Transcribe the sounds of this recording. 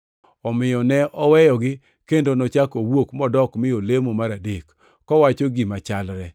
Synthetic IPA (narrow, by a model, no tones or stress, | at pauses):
ɔmɪjɔnɛʔɔwɛjɔɡɪ | kendonɔt͡ʃakowokmɔdɔkmɪjolemomaɾadekː | ɔwat͡ʃoɡimat͡ʃalɾɛ